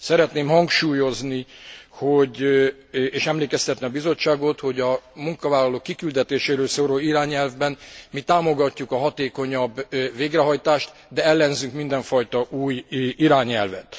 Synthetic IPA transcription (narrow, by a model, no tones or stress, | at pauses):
sɛɾɛt̪neːmhɒŋkʃuːjo̞znihoɟ | eːʃɛmleːkɛst̪ɛt̪niɒbizo̞t͡ʃːaːɡo̞t̪ho̞ɟɒmuŋkɒvaːlɒloːkːikyld̪ɛt̪eːʃeːɾøːlsoːɾoliɾaːɲɛlvbɛnmit̪aːmo̞ɡɒcːukɒɦɒt̪eːko̞ɲɒbːveːɡrɛɦɒjt̪aːʃt̪ | d̪ɛɛlːɛnzyŋkmind̪ɛɱfɒjt̪ɒʔuːjiɾaːɲɛlvɛ̰t̪